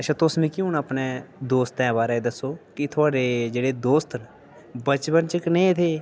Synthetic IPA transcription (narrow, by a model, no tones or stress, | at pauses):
əʃʰãt̪ʊsmĩːkjũːnapneːd̪oːst̪ɛ̃ːbaːɾaed̪əsoːkɪt̪ʰʊaːɽeːd͡ʒeːɽeːd̪oːst̪n | bət͡ʃpənt͡ʃəknẽːɪt̪ʰeː